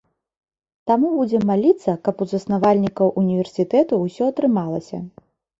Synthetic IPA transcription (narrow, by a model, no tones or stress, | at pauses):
t̪amubud͡zʲɛmːalʲit̪sːɐkɐpuzɐsnavalʲnʲikɐwʔunʲivʲɛrsʲit̪ɛt̪uːsʲɔɐt̪ɾɨmalˠɐsʲɐ̰